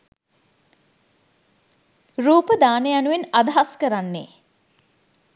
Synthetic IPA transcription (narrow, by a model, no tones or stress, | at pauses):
ruːpəd̪aːnəjanuʋenad̪ɐɦaskəɾanːe